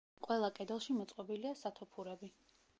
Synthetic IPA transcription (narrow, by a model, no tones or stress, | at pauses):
qʼwɛlˠakʼɛd̪ɛlˠʃimɔt̪sʼqʼɔbiliasat̪ʰɔpʰuɾɛbi